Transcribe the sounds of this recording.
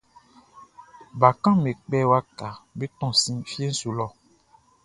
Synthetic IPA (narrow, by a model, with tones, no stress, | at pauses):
ba˨kã˦me˨k͡pɛ˦wa˦ka˨be˦tɔ̃˦˨sĩ˦fje˦n̩˦su˨lɔ˦˨